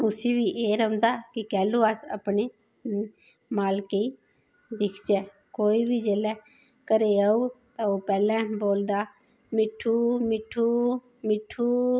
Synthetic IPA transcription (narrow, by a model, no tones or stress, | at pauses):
ʊsĩːʋiːʔeːɾəʊ̃nd̪aːkɪkɛːlõːaːsə̰pneː | maːlkeiː | d̪ɪkʰd͡ʒɛː | koːiːbiːd͡ʒeːlɛː | kəɾeːaːuːt̪ãːoːpɛːlɛ̃ːboːld̪aː | mɪʈʰːuːmɪʈʰːuː | mɪʈʰːuː